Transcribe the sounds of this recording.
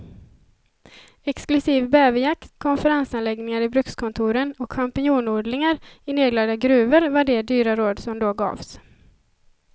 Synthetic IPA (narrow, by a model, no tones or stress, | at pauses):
ɛksklɵsiːvbɛːvɪjakt̪kʰɔnfəɾansanlɛɡnɪŋaɾɪbɾɵkskʰɔnt̪ʰuːɾənɔkɧampɪnuːnuːɖ̪lɪŋaɾɪneːɡlad̪aɡɾʉ̟ːvəɾvaɖɛd̪yːɾaɾoːd̪sɔmd̪oːɡɑ̰ːvs